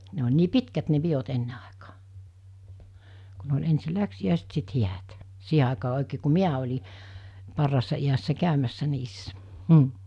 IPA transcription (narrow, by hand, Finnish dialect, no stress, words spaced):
ne olʲ niː pitkæt ne piot enːe ɑˑekɑ̥ː ku ne olʲ ensi læksiæˑiset sit hiæt siːɦe ɑˑekɑː oekeː ku miæ olʲi pɑrːɑːsːɑ iæsːæ kæymæsːæ niːsːæ m̩